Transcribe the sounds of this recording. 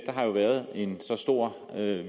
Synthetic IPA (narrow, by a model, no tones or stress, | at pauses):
d̥ɐɦɑ̈jo̝ʋæɐð̞̩ˠe̝nsɒ̽sd̥o̝ɐ̰ | ø